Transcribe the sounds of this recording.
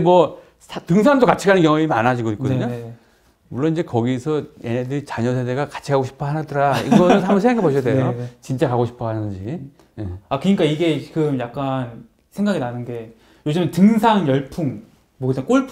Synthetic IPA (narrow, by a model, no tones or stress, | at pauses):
mwʌ | sʰtɯŋsʰaŋdokat͡ɕʰiɡanɯnkjʌŋuemanad͡ʑiɡoik͈od̪ɯɲo | muɭːʌnind͡ʑe̞kʌɡisʰʌe̞nedɯɾit͡ɕaɲʌsʰede̞ɡakḁt͡ɕʰiɡaɡoɕʰi̥pʰʌɦanadɯɾaḭɡʌnɯnɦambʌnsʰeŋɡakeboɕʰijadejot͡ɕint͡ɕ͈akaɡoɕʰi̥pʰʌɦannɯnd͡ʑi | eakɯɲik͈aiɡe̞t͡ɕiɡɯmjak̚k͈an | sʰe̞ŋɡaɡinanɯnɡe̞ | jod͡ʑimentɯŋsʰaŋjʌɭpʰuŋ | mʌkɯsʰak͈oɭpʰ